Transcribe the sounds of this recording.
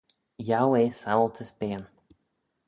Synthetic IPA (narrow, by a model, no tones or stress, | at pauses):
jawesawlˠt̪ʰəspeːn